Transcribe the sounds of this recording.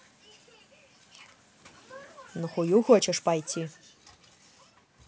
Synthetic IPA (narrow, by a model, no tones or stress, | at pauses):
nɨχʷujuxot͡ʃʰɐʂpajtʲʰi